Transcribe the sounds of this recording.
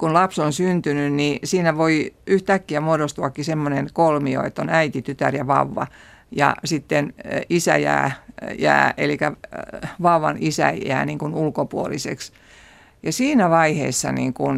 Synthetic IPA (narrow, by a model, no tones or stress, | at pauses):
kunlɑpsonsynt̪ynynnisiːnæʋoiyht̪ækːiæmuodost̪uɑkːisemːonenkolmio̰ḛt̪ːonæit̪it̪yt̪æ̰rjɑʋɑ̰uʋːɑ̰ | jɑ̰sit̪ːenisæ̰jæ̰ːjæ̰ːḛlikæ | ʋɑuʋːɑ̰nisæ̰æ̰ːniːŋkunulkopuolisḛks | jɑsiːnæʋɑihḛːsːɑ̰nḭːŋkun